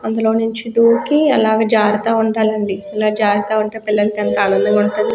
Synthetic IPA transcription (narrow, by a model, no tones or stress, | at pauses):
ɐnd̪ulo̞ːnuɲt͡ʃid̪uːkiɐlaːɡeːd͡ʒaːɾɐt̪aːuɳɖaːlɐɳɖiilaːd͡ʒaːɾɐt̪aːuɳʈeːpilːɐlɐkɐnt̪ɐaːnɐnd̪ɐmuɳʈund̪i